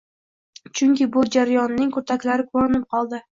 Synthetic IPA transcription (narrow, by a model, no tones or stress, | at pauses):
t͡ʃʰʊŋkʲɪbʊd͡ʒaɾajɒnːɪŋkʰɵt̪ʰakʲlaɾɪkʰoɾɪnɪp̚qʰɒlˠd̪ɪ